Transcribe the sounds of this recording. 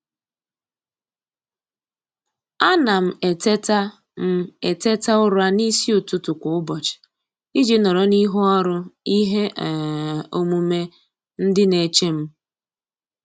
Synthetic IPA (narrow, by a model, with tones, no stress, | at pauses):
a˦na˨m̩˨e˨te˦ta˦ | m̩˦e˨te˦ta˦ʊ˦ɾʊ˦a˦ni˦si˦o˨tu˨tʊ˨kʷʊ˨ʊ˦bɔ˨t͡ʃɪ̥˨ | i˦d͡ʒe˦nɔ˨ɾɔ˨ni˦ɦʊ˦ɔ˦ɾʊ˦i˦ɦe˦ʔo˦mu˦me˦ | n̩˦dɪ˦ne˨t͡ʃe˦m̩˦